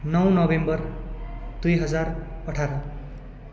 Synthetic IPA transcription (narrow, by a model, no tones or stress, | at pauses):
nʌwnʌbembʌr | d̪ujɦʌd͡zarʌʈʰaɾʌ